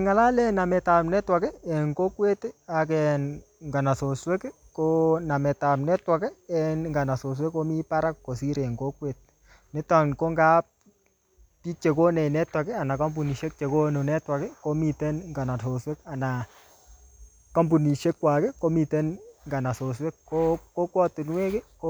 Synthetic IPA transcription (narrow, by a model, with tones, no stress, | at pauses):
ɛ˨ŋa˨la˦lɛ˦na˨mɛ˨ta˨mnɛ˦twa˨kɛ˦ɛ˨ŋɡo˦kwe˦ta˨kɛn | ŋɡa˨na˨so˨swe˦k | ko˦na˨mɛ˨ta˨mnɛ˦twa˨kɛ˦ɛ˨nŋɡa˨na˨so˨s̬we˦ko˦mi˦pa˦ɾa˦kko˨si˦ɾɛ˨ŋɡo˦kwe˨t̚ | nɛ˦ta˨nko˦ŋɡa˦p̚ | pi˦t͡ʃe˨ko˦ne˨nɛ˦twa˨kɛ˦a˨na˨ka˦mbu˨ni˨ʃe˦k̚t͡ʃe˨ko˦no˨nɛ˦twa˨kɛ˦ko˦mi˨tɛ˦nŋɡa˨na˨so˨swe˦ka˨na˨ | ka˦mbu˨ni˨ʃe˦kːwa˨kɛ˦ko˦mi˨tɛ˦nŋɡa˨na˨so˨s̬we˦kːo˦ko˦kwɔ˦tu˨nwe˦ke˦ko˦